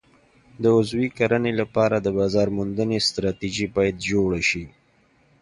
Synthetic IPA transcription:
d̪əʊzwikaɾənelapɑɾad̪əbɑzɑɾmʊnd̪ənest̪ɾɑt̪iʒibɑjad̪d͡ʒoɽaʃi

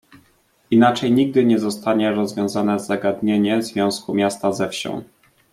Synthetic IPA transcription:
inat͡ʂɛjɲiɡ̚d̪ɘɲɛzɔst̪aɲɛɾɔzvʲjɔ̃w̃zanɛzaɡad̪ɲeɲɛzvʲjɔ̃w̃skumʲjast̪azɛfɕɔ̰̃w̃

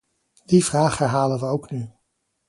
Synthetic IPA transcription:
d̥ivraːχɛɹɦaːlənʋəowkny

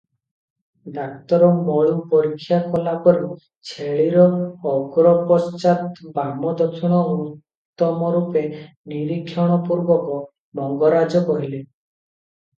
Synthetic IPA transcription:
d̪ak̚t̪ɔɾɔmɔɭupɔɾikʰːjakɔlapɔɾi | t͡ʃʰeɭiɾɔːɡɾɔpɔst͡ʃat̪bamɔd̪ɔkʰɔɽ̃ɔutt̪ːɔmɔɾupe | niɾikʰːjɔɽ̃ɔpuɾbɔkɔ | bɔŋɡɔɾad͡ʒɔkɔɦile

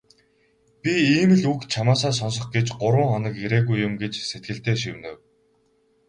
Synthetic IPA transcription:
pʲiiːmɘ̆ɮukt͡ɕʰamaːs̬aːs̬ɔns̬ɞ̆χɡet͡ɕɢʊɾwə̆ŋχɔnə̆keɾeːɣujːʊmɡet͡ɕset̪̚ɡɘ̆ɬt̪eːʃiwnɘ̰̆w

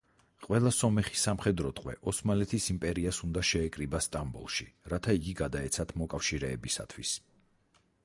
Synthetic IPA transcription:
qʼwɛlˠasɔmɛχisamχɛd̪ɾɔt̪ʼqʼwɛ̰ʔɔsmalɛt̪ʰisimpʼɛɾiasund̪aʃɛːkʼɾibast̪ʼambɔ̰lˠʃḭɾat̪ʰaiɡiɡad̪aɛt̪sʰat̪ʰmɔkʼafʃiɾɛːbisa̰t̪ʰwis

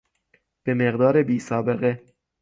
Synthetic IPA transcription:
b̥e̞me̞ɣd̪ɒːɾebiːsɒːbe̞ɣe

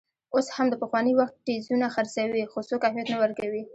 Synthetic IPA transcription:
oshamd̪əpəxwɑnəwaxt̪̚ʈezunaxaɾsawixosokahmijat̪nawəɾkawi

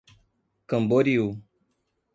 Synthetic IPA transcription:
kɐmboɾiu

